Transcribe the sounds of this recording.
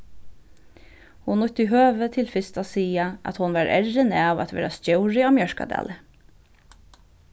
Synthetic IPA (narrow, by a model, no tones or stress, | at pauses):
hʊnlɔt̪əiɦøːʋət̪ʰɪlfɪst̪asiːaʔæ̰t̪hʊnʋɑɾʔɛ̰ɹənɛaʋæ̰t̪ʋḛːɾast̪jœʊɹɪaːmjœɹka̰d̪æ̰ːlə